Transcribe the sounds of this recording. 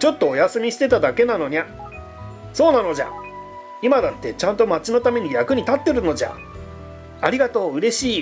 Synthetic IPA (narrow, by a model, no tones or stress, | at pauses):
t͡ɕo̞t̪ːo̞ːjasɨmʲiɕi̥t̪e̞t̪ad̪ake̞nano̞ɲ̟a | so̞ːnano̞d͡ʑa̰ | imad̪at̪ːe̞t͡ɕãnt̪o̞mat͡ɕino̞t̪ame̞ɲ̟ijakɯ̟ɲ̟it̪at̪ːe̞ɾɯ̟no̞d͡ʑa̰ | aɾʲiɡat̪o̞ːɯ̟ɾe̞ɕiː